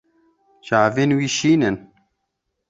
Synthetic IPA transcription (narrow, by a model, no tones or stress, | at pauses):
ʒaːveːnwiːʃiːnɨn